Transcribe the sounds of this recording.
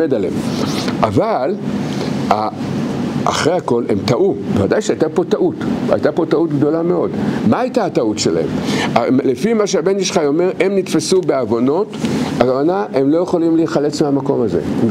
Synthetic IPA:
edale̞̰mʔaval | a̰ː | χʁejako̞le̞̰mtaʔuvevadajʃeajtapo̞taʔuta̰jtapo̞tautɡdo̞lame̞o̞dmaːjtaːtautʃela̰e̞ma̰lefimaʃeabeniʃχajo̞me̞ʁʔe̞mnitfesube̞avo̞no̞takavanaʔe̞mlo̞je̞χo̞limliχale̞t͡smeamako̞maze̞̰

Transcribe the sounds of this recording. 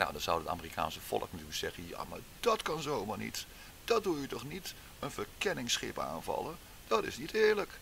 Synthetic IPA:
na̰wdɑnz̥awəta̰ːmərikʰa̰ːnsəv̥ɔ̰ləknətyːləksɛχənja̰ːma̰ɹd̥ɑtkɑnzowmaːɹnḭt | d̥ɑt̚dujətɔχnit | ənvəɹkɛnɪŋsχɪ̰pa̰ːnvɑ̰lˠə | d̥ɑtɪ̰snitɪːɹlək

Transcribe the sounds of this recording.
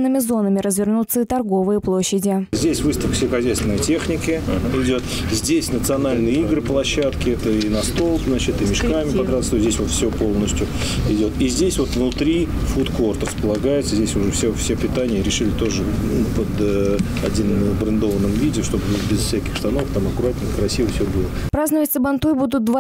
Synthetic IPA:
nɨmʲɪzo̞nəmʲɪɾəzvʲɪrnut̪sːəit̪ɐrɡo̞vɨjəplˠoɕːɪdʲɪzʲdʲesʲvɨst̪əfkfsʲɪxɐzʲɛjst̪vʲɪnəjtʲe̞xnʲɪkɪɪdʲo̞t̪ | zʲdʲesʲnət̪sɨɐnalʲnɨjəiɡɾɨplˠɐɕːat̪kʲɪɛt̪əinɐst̪o̞lˠzat͡ɕɪt̪ɨmʲɪʂkamʲɪp̪ɐd̪ɾat̪sozʲdʲesʲvot̪fsʲopo̞lˠnəsʲtʲjʊ | ɪdʲo̞t̪izʲdʲesʲvo̞t̪vnʊt̪ɾʲifut̪kvo̞rt̪rəspəlˠɐɡajɪt̪səzʲdʲesʲʊʐɛfsʲefsʲepʲɪt̪anʲɪjəɾʲɪʂɨlʲɪt̪o̞ʐɨpəd̪ə | ɐdʲinəbɾɨnd̪o̞vənːɨmvʲidʲɪʂt̪o̞bɨvot̪bʲɪsfsʲækʲɪxʂt̪ɐno̞vəkt̪amɐkʊɾatʲɪlʲnəkɾɐsʲivəfsʲobɨlˠə | pɾaznəvətʲsəbɐnt̪ujbud̪ʊt̪̚d̪va

